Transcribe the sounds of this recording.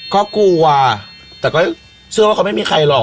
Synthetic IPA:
kɔː˥˩kuː˧wa˧t̪ɛː˨˩kɔː˥˩ | sʰɯ˧˨waː˧˩˧a˧˦ma˥˩jmiː˧kʰa˧jlɔ˨˩

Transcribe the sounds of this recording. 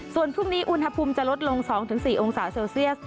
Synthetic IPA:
su˨˩ənpʰu˥˩ŋniː˦˥ʔu˧nha˧pʰuː˧mt͡ɕa˨˩lo˦˥t̪̚lo˧ŋsɔː˩˦ŋt̪ʰɯ˩˦ŋsiː˨˩ʔo˧ŋsaː˩˦˥seː˧wsi˥˩əs̚

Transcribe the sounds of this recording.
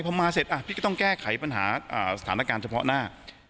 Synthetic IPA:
jpʰɔ˧maː˧se˨˩t̪̚ʔa˧˩pʰiː˥˩kːt̪ɔ˥˩ŋkɛː˥˩kʰa˩˦jpa˧nɦa̰ː˩˦ʔə̰ː˨˩sa˧t̪ʰaː˩˦naː˦˥˩kaː˧nt͡ɕʰa˧pʰɔ̰˦˥naː˥˩

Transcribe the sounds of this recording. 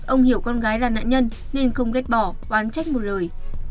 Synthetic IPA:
ʔə˧wŋ͡mhi˧˩əwkɔ˧nɣaː˨˦jlaː˨˩na̰ː˧˨ɲə˧n | ne˧nxə˧wŋ͡mke˦˥t̚ɓɔ˧˩kwaː˨˦nt͡ɕa˦˥jk̚mo˨˩t̚ləː˨˩j

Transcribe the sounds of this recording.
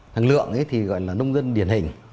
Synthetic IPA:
t̪ʰa˨˩ŋlɨ̰˧˨əŋʔə˨˦jt̪ʰi˨˩ɣɔ̰˧˨jlaː˨˩ɗə˧wŋ͡mzə˧nɗi˧˩ənɦï˧˩ŋ̟

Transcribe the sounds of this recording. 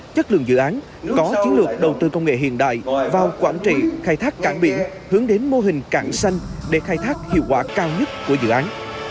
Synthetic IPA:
t͡ɕə˦˥t̚lɨ̰˧˨əŋzɨ̰˧˨ʔaː˨˦n | kɔ˨˦t͡ɕi˨˦ənlɨ˨˩ək̚ɗə˨˩wt̪ɨ˧kə˧wŋ͡mŋḛ˧˨ɦḭ˧˨ənɗa̰ː˧˨jvaː˨˩wkwaː˧˩nt͡ɕḭ˧˨xaː˧jt̪ʰaː˦˥kkaː˧˩nɓḭ˧˩ən | hɨ˨˦əŋɗe˨˦nmo˧ɦï˨˩ŋ̟kaː˧˩nsa˧jŋ̟ɗe˧˩xaː˧jt̪ʰaː˦˥k̚hḭ˧əwkwaː˧˩kaː˧wɲə˦˥t̚ku˧˩əzɨ̰˧˨ʔaː˨˦n

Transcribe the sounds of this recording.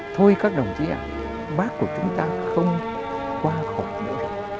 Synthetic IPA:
t̪ʰo˧jkaː˦˥k̚ɗə˨˩wŋ͡mt͡ɕi˧˦ʔa̰ː˧˨˩j | ɓaː˦˥kku˧˩ət͡ɕʊ˨˦ŋ͡mt̪aː˧xə˧wŋ͡m | kwaː˧xa˨˩wk͡p̚ɗḭ˧˥˨

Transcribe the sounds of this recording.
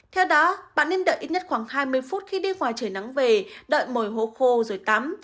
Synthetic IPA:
t̪ʰɛ˧wɗɔ˨˦ɓa̰ː˧˨nːe˧nɗə̰ː˧˨ʔi˦˥t̚ɲə˦˥t̚xwaː˧˩ŋhaː˧jmɨ˧əjfu˦˥t̚xi˧ɗi˧ŋwaː˨˩jt͡ɕəː˧˩na˨˦ŋve˨˩ɗə̰ː˧˨jmo˨˩jɦo̰˧˨xo˧zo˨˩jt̪a˨˦m

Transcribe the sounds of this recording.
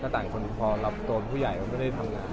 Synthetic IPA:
kaː˥˩t̪aː˨˩ŋkʰo˧n˧pʰɔː˧la˦˥p̚t̪o˧pʰuː˥˩ja˨˩jma˧nma˥˩jda˥˩jt̪ʰa˧mŋaː˧n

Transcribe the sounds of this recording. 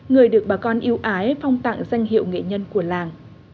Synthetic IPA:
ŋɨ˨˩əjɗɨ˨˩ək̚ɓaː˨˩kɔ˧nʔi˧əwʔaː˨˦jfɔ˧wŋ͡mt̪a̰ː˧˨ŋza˧jŋ̟ɦḭ˧˨əwŋḛ˧˨ɲə˧nku˧˩əlaː˨˩ŋ

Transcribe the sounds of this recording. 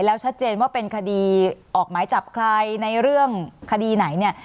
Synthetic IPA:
lɛː˦˥wt͡ɕʰa˦˥t̪̚t͡ɕeː˧nwaː˥˩pe˧nkʰa˧diː˧ʔɔː˨˩k̚maː˩˦jt͡ɕa˨˩p̚kʰlaː˧jna˧jɾɯ˥˩əŋkʰa˧diː˧na˩˦jni˥˩ɐ

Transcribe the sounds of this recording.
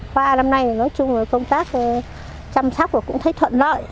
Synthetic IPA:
kwaː˧na˧mna˧jnɔ˨˦jt͡ɕʊ˧ŋ͡mvəː˨˩jkə˧wŋ͡mt̪aː˦˥k̚ː | t͡ɕa˧msa˦˥k͡p̚ku˧˩kʊ̰˧˥ŋ͡mt̪ʰə˨˦jt̪ʰwə̰˧˨nlɔ̰˧˨j

